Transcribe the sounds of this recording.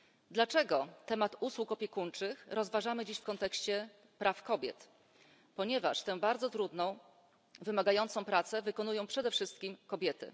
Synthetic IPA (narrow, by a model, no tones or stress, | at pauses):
d̪lat͡ʂɛɡɔt̪ɛmat̪uswukɔpʲjɛkunt͡ʂɘxɾɔzvaʐamɘd͡ʑiɕfkɔnt̪ɛkɕt͡ɕɛ | pɾʔafkɔbʲjɛ̰t̪ | pɔɲɛva̰ʂt̪ɛ̃baɾd̪zɔt̪ɾud̪nɔ̃w̃ | vɘmaɡajɔnt̪sɔ̃w̃pɾat̪sɛvɘkɔnujɔ̃w̃pʂɛd̪ɛfʂɘst̪̚kʲimkɔbʲjɛt̪ɘ̰